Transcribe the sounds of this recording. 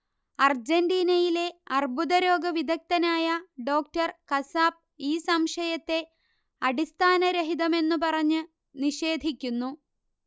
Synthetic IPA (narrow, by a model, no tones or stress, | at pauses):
ɐrd͡ʑenɖiːnɐjile̞ɐrbuðɐɾo̞ːɡɐʋid̪ʱɐk̚t̪ɐnaːjɐɖo̞ːk̚tɐrkɐsaːp̚iːsɐmʂɐjɐt̪ːe̞ | ɐɽist̪ʰaːnɐɾeɦiðɐme̞nːupɐrɐɲːɨ | niʂe̞ːd̪ʱikʲːunːu